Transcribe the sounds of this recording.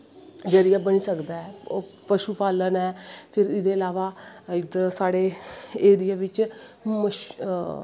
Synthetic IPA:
d͡ʒəɾɪjaːbəniːsəkd̪aːɛːpəʃuːpaːlənɛːpʰɪɾɪd̪eːəlaːʋaːɪd̪saːɽeːeːd̪ɪjãːʋɪt͡ʃməʃ

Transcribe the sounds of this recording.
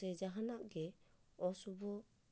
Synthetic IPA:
ɛd͡ʒaɦanaʔɡɛɔsubɔ

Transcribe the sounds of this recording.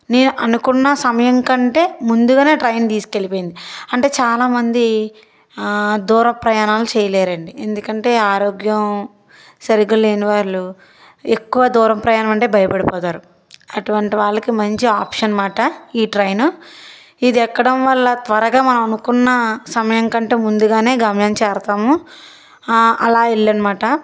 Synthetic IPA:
ne̞ːnuʔɐnukunːɐsɐmɐjɐŋkɐɳʈe̞ːmund̪uɡaːne̞ːʈɾɐjnt̪iːske̞lipo̞ːjind̪iɐɳʈe̞ːt͡ʃaːlaːmɐnd̪i | d̪uːɾɐpɾɐjaːnaːlut͡ʃɛːjɐleːɾɐɳɖie̞nd̪ukɐɳʈe̞ːaːɾoːɡjɐm | sɐɾiɡule̞ːniʋaːɾlu | ekːuʋɐd̪uːɾɐmpɾɐjaːnɐmɐɳʈe̞ːbʱɐjɐpɐɽipɔːt̪aːɾu | ɐʈuʋɐɳʈiʋaːɭːɐkimɐɲt͡ʃiaːpʂɐnmaːʈɐiːʈɾɐjnu | id̪iɛkːɐɽɐmʋɐɭːɐt̪ʋɐɾɐɡaːmɐnɐmɐnukunːɐsɐmɐjɐŋkɐɳʈe̞ːmund̪uɡaːne̞ːɡɐmjɐːnt͡ʃɛːɾɐt̪aːmu | ɐlaːeɭːɐnɐmaːʈɐ

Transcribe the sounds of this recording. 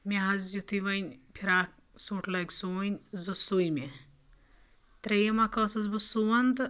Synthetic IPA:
mʲeɦɐzjut̪iʋɐnʲpʰiɾaːk̚ | suːʈʰlɐksuʋɐnʲzɨsujmʲe | t̪ɾejɐmakɐsɐzbɨsuʋɐnt̪

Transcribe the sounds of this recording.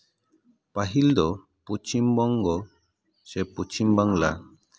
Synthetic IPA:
paɦild̪ɔ | put͡ʃimbɔŋɡɔ | seput͡ʃimbaŋla

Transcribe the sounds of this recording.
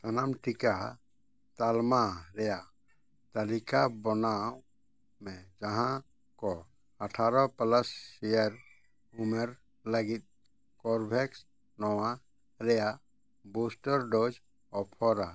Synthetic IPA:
t̪anamʈika | t̪almaɾɛja | t̪alikabɔnaw | mɛd͡ʒaɦã | kɔ | aʈʰaɾɔpalasːijaɾ | umɛɾ | laɡit̪̚ | kɔɾbʱɛks | nɔwa | ɾɛja | busʈɔɾɖɔd͡ʒ | ɔpʰɔɾa

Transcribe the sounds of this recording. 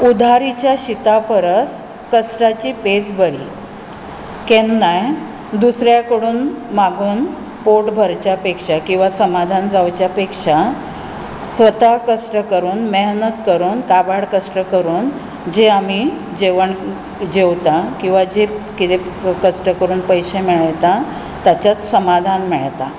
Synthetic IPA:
ud̪ʱaɾit͡ɕjaɕit̪apəɾəs | kəsʈat͡ɕiːpesbəɾḭː | kenːaj | d̪usɾjakəɽuːnmaɡuːn | poʈbʱəɾt͡ɕapekʂakĩw̃ʋasəmad̪ʱand͡zawt͡ɕjapekʂa | sʋət̪akəʂʈəkəɾuːnmeɦnət̪kəɾuːnkabaɽkəʂʈəkəɾuːn | d͡ʑeami | d͡ʑeʋəɳ | d͡ʑeʋt̪akĩw̃ʋad͡ʑekit̪ekəʂʈəkəɾuːnpəjɕemiɭəjt̪a | t̪jat͡ɕjat͡ssəmad̪ʱanmeɭt̪a

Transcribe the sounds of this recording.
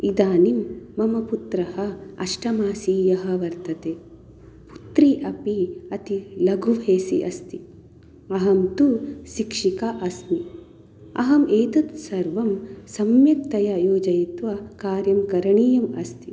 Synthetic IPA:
id̪aːnimːɐmɐput̪ɾɐɦɐɐ̰ʂʈɐmaːsiːjɐɦɐ̆ʋɐɾt̪ɐt̪eː | pu̥t̪ɾiʔɐpiɐt̪ilɐɡʱuʋʱeːsḭʔɐst̪i | ɐɦɐmt̪uʃikʂikaʔɐsni | ɐ̰ɦɐmeːt̪ɐt̪sɐɾʋɐmsɐmjɐk̚t̪ɐjɐjoːd͡ʒɐjit̪ʋɐkaːɾjɐmkɐɾɐɳiːjɐmɐ̰st̪i

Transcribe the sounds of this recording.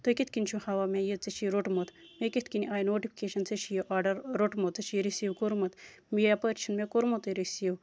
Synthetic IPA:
t̪okit̪kinʲt͡ʃʰuhɐʋaːmejet͡sɐt͡ʃʰiɾoʈmot̪ | meket̪kiniʔaːjnoːʈipʰi̥keʃɐnt͡set͡ʃʰijoʔaːɖɐɾːoʈmot̪ːɐt͡ʃʰiɾisiwkoɾmɐt̪ | mijapəɾʲt͡ʃʰinmekoɾmot̪əɾisiw

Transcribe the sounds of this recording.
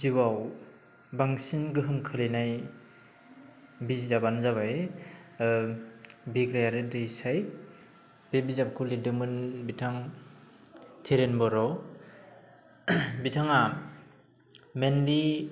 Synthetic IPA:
ziwaw | baŋsinɡɯɦɯŋkʰɯlenaj | bizizabanzaβaj | biɡɾajaɾetɯsaj | b̥ebizap̚kʰulidɯmɯnbitʰaŋ | tʰeɾenbɔɾɔ | bitʰaŋa | menli

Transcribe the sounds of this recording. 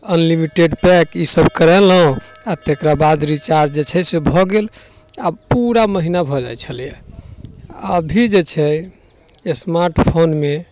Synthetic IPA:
ənlimiʈeɖpɛkisəbkəɾɛləɦõat̪ekɾabad̪ɾit͡ʃaɾɖd͡ʒet͡ʃʰɛsebʱɔɡel | apuɾaməɦinabʱɔd͡ʒa̰jt͡ʃʰəlijɛ | əbʱid͡ʒet͡ʃʰɛ | esmaɾʈpʰonme

